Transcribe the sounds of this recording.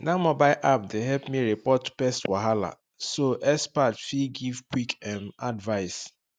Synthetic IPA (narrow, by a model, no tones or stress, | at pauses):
namɔbaɪʔap̚deɦɛlpmiɾipɔtpɛstwaɦala̰ | soʔɛspatfiɡivkwikɛmadvaɪs